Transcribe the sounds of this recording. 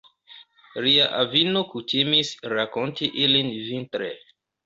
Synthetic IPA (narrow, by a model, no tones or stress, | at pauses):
liaʔavinokutimisɾakontiʔilinvintɾḛ